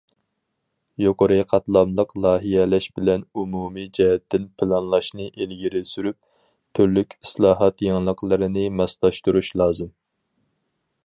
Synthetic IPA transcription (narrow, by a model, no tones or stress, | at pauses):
joqʰoɾɨqʰɑt̪lˠɑmlˠəqlˠɑːɦijɛlɛʃbɪlɛnumumid͡ʒɛɦɛt̪ʰːɪnpʰɨlˠɑnlˠɑʃnɨʔelɡʲiɾɪsyɾyp̚ | t̪ʰyɾlykʲislˠɑːɦɑt̪jeŋlˠəqlˠɨɾɨnɪmɛslˠɑʃt̪uɾuʃlˠɑːzɨm